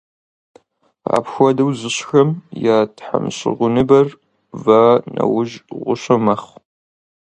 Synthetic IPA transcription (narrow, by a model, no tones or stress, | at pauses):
a̰pxʷɔdɐwzɨɕxɐmjaːtħa̰mɕɪ̰ʁʷʊnɨbɐr | vanɐ̰wʊʒʁʷʊɕɐmɐχ